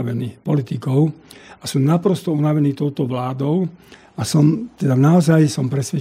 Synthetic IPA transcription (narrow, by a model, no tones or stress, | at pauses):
ʋɛniːpɔlit̪ikɔʊasumnapɾɔst̪ɔunaʋɛniːt̪ɔʊt̪ɔʋlaːd̪ɔʊ | asɔmt̪ɛd̪anaɔzajsɔmpɾɛsʋɛ